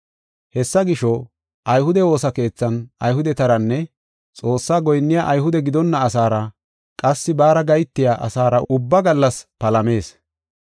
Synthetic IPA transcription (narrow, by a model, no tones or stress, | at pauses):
hɛsːɐɡɪʃɔ | ʔɐjɦʊd̪ɛwo̞ːsɐke̞ːt͡sːɐnɐjɦʊd̪ɛt̪ɐɾɐnːɛ | t͡sʼo̞ːsːaːɡɔjnːɪjaːʔɐjɦʊd̪ɛɡɪd̪ɔnːɐːsaːɾɐ | kʼɐsːɪbaːɾɐɡɐjt̪ːɪjaːʔɐ̰saːɾɐʊbːɐɡɐlːɐspɐlɐme̞ːs